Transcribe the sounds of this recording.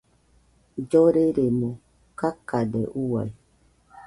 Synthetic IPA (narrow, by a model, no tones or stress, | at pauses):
d͡ʒoɾeɾemo | kakadḛʔuwa̰i